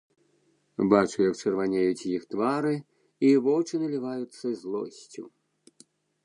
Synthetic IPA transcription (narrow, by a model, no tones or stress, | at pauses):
bat͡ʃujɐkt͡ʃɐrvanʲejut͡sʲjixt̪vaɾɨ | ivɔwt͡ʃɨnɨlʲivajut̪sːɐizlˠɔ̰sʲt͡sʲṵ